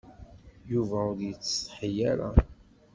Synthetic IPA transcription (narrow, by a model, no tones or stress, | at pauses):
juvæʊɾjət͡sːsħəjæɾa̰